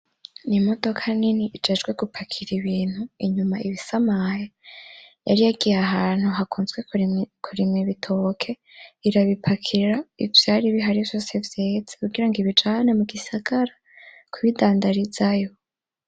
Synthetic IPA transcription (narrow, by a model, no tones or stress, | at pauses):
nimo̞do̞kʰaniniʔid͡ʒe̞d͡ʒɡwe̞ɡupʰakʰiɾiβiːn̥huiɲumaiβisamaja | ja̰ɾijaɡijaɦaːn̥huɦakʰuːnzɡwe̞kʰuɾimŋiβitʰo̞kʰe̞ | iɾaβipʰakʰiɾaivjaːɾiβiɦaɾivjo̞sevjeːd͡zekuɡiɾaŋɡiβid͡ʒanemuɡisaɡaɾa | kʰuβidaːndaɾizajo